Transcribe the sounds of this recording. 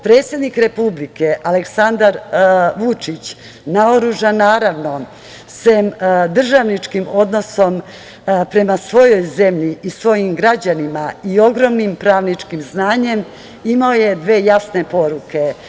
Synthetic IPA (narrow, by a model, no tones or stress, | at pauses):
pɾe̞t̪sje̞d̪nikɾe̞publike̞ʔaleksand̪aɾʋut͡ʂit͡ɕ | naoɾuʒanaːɾaʋno̞ | sʋemd̪r̩ʒaʋnit͡ʂkimo̞d̪no̞so̞m | pɾe̞masʋo̞jo̞jze̞mʎiʔisʋo̞jimɡɾad͡ʑanimaio̞ɡɾo̞mnimpɾaːʋnit͡ʂkimznaːɲe̞m | imaoje̞d̪ʋe̞ːjasne̞po̞ɾuke̞